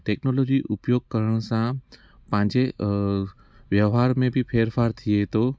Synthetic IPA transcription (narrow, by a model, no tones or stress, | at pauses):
ʈeːknoloːd͡ʒiʔʊpjoːɡ̚kəɾəɽ̃sã | pãːɲd͡ʑe | ʋjəʋɦaɾmẽbʱipʰeːɾfʰaːɾt̪ʰiet̪o